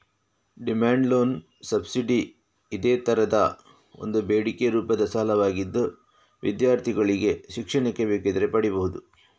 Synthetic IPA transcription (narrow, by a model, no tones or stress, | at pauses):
ɖimaːɳɖlo̞ːn | sɐbsiɖiː | d̪eːt̪ɐɾɐd̪ɐ | o̞̰nd̪ubeːɽikeɾuːpɐd̪ɐsɐɦɐlɐʋaːɡid̪ːu | ʋʔid̪jaːɾt̪ʰiɡɐɭiɡe̞ʃikʂɐɳɐkːebeːked̪ɐɾepɐɽibɐɦud̪u